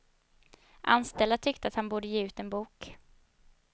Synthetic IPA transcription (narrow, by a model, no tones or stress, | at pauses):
ʔa̰nst̪ɛld̪at̪ʰʏkt̪əat̪hanbuːɖəjeːʉ̟ːt̪ɛnbuːk